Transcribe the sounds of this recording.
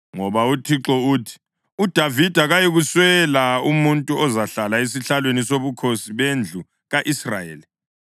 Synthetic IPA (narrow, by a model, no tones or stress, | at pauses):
ŋɔβautʰiǁɔuːtʰi̥ | ud̥ʱavid̥ʱaɣajiɣuswɛlaumuntʼuɔzaɬalaes̬iɬalwenisoβukʰosiβend͡ɮʱu | ɣaʔisra̰jḛːli